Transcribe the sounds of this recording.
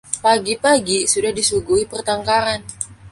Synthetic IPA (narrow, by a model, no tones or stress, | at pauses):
paɡipaɡisudahdisuɡuipərt̪aŋkaɾan